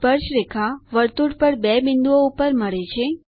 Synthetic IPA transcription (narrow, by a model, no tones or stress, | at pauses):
pəɾʃɾekʰaʋəɾt̪uʈpəɾbɛbɪnd̪uoupəɾməɭet͡ʃʰe